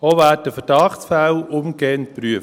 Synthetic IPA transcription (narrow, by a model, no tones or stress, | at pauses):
oʋæːt̚d̥əfəɾd̥ɑχtsfælʊmɡeːənt̚prɾyəf